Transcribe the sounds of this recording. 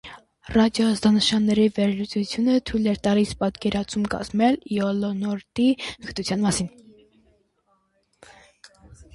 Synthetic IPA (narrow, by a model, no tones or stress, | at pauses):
rɑd̪jɔɑzd̪ɑnəʃɑnːɛɾivɛɾlut͡sut͡sʰjunət̪ʰujlɛɾt̪ɑlispɑt̪kɛɾɑt͡sʰumkɑ̰z̥mɛljɔlɔnɔɾt̪iɡət̪ut͡sʰjɑnmɑsin